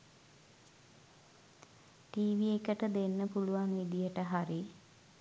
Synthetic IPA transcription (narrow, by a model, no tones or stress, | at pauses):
ʈiːʋiekəʈəd̪enːəpuluʋanʋid̪ijəʈəɦaɾi